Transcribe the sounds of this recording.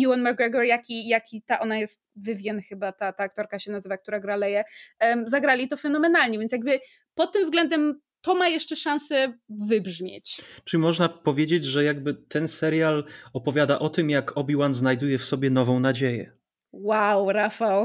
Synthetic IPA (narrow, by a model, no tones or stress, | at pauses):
juwanmaɾɡɾɛɡɔɾjakʲijakʲit̪aʔɔnajɛst̪̚vɘvʲjɛnxɘbat̪at̪aːk̚t̪ɔɾkaɕɛnazɘvak̚t̪uɾaɡɾalɛjɛzaɡɾalʲit̪ɔfɛnɔmɛnalɲɛvʲjɛnt̪sʲjaɡ̚bɘ | pɔt̪̚ːɘmvzɡlɛnd̪ɛm | t̪ɔmajɛʂt͡ʂɛʂãñsɛvɘbʐmʲjḛt͡ɕt͡ʂɘlʲimɔʐnapɔvʲjed͡ʑed͡ʑʐɛjaɡ̚bɘt̪ɛnsɛɾjalɔpɔvʲjad̪aʔɔt̪ɘmjakʰɔbʲiwanznajd̪ujɛfsɔbʲjɛnɔvɔ̃w̃nad͡ʑejɛ̰ | wawɾafaw